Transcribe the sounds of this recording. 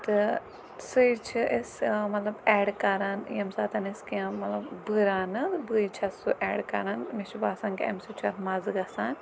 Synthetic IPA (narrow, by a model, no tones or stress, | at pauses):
t̪ɨ | sɨt͡ʃʰiʔesmɐt̪lɐbɛːɽkɐɾaːnjɐmsaːt̪ʰɐniskiãmɐt̪lɐbbɨɾaːnɨbɨit͡ʃʰɐsuʔɛːɖkɐ̰ɾaːnmiʃbaːsãːnkeḛmsit͡ʃʰɐt̪mɐzɨɡɐsaːn